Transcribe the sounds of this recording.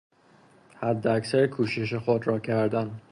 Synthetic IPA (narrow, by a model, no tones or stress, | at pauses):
hæd̪ːeæksæɾkʰuːʃeʃ̬exod̪ɾɒːkʰæɾd̪æn